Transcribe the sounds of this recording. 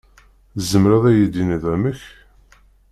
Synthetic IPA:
zəmɾæðæjəd̪inðæməç

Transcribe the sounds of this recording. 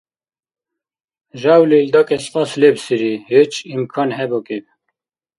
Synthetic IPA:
ʒɑwleld̪ɑːkɛspɑːslebsɨɾihet͡ʃimkʰɑːnhɛbokeb

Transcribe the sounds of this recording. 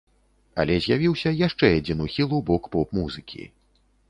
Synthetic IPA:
ɐ̰lʲɛzʲjavʲiwsʲɐjaʂt͡ʂɛjad͡zʲinuxʲilˠubɔkpɔpmuzɨkʲʰḭ

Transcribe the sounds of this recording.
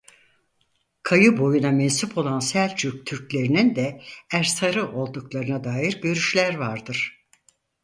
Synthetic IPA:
kʰajɯbo̞junamɛnsupʰo̞lˠansælʲt͡ʃʰyk̚t̪ʰyɾclʲe̞ɾinind̪ɛæɾsaɾɯʔo̞lˠd̪uklˠaɾɯnad̪aːjiɾɟø̞ɾyʃlʲæɾvaɾd̪ɯɾ̥

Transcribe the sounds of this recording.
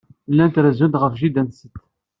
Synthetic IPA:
lːænt̪ɾəzund̪ʁəfʒid̪ænsət̪

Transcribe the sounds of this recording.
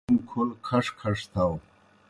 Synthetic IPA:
mkʰulkʰɐʂkʰɐʂt̪ʰaw

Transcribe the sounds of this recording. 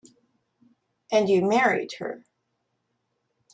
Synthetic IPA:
ʔɨ̃njɨmɛɹḭd̚hə̰˞

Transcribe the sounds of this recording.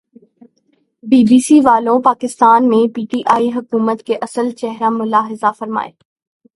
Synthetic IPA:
biːbiːsiʋaːlõpaːkɪst̪aːnmẽpiːʈiːʔaːiɦʊkuːmət̪keʔɐsəlt͡ʃɛɦɾamʊlaːɦɪzafɐɾma̰ːḛː

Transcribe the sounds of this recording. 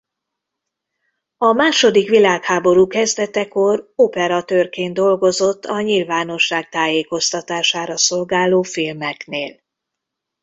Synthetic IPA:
ɒmaːʃo̞d̪ikʋilaːkhaːbo̞ɾuːkɛzd̪ɛt̪ɛko̞ropɛɾɒt̪øːrkeːnd̪o̞lɡo̞zo̞t̪ːɒɲilvaːno̞ʃːaːk̚t̪aːjeːko̞st̪ɒt̪aːʃaːɾɒso̞lɡaːloːfilmɛkneːl

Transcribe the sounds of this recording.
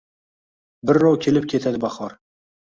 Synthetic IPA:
bɪɾːɒwkʲʰe̞lɪp̚kʲʰe̞t̪ʰad̪ɪbaχɒɾ

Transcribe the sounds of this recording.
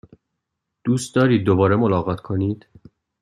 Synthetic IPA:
d̪̥uːst̪̚d̪ɒːɾiːd̪̚ːobɒːɾemo̞lɒːɣɒːt̪ʰkʰo̞niːd̪̥

